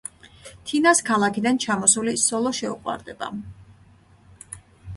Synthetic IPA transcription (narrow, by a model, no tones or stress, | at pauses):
t̪ʰinaskʰalˠakʰid̪ant͡ʃʰamɔsulisɔlˠɔʃɛṵqʼwa̰ɾd̪ɛba̰